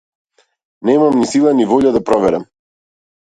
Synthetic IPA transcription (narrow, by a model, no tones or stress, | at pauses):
nɛmamnisilˠanivɔʎad̪apɾɔvɛɾɛm